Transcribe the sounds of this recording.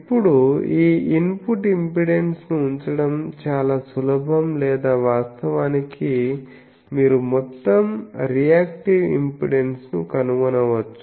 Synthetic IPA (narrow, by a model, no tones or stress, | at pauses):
ipːuɽuiːʔimpuʈimpiɽensnuːɲt͡ʃɐɽɐmt͡ʃaːlaːsulɐbʱɐmlɛːd̪aːʋaːst̪ɐʋaːniki | miːɾumɔt̪ːɐmɾijaːkʈiʋḭmpḭɽe̞nsnukɐnuʋɐnɐʋɐt͡ʃːu̥